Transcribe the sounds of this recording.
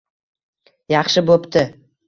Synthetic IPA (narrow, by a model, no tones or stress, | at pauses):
jɑχʃɪbopt̪ʰɪ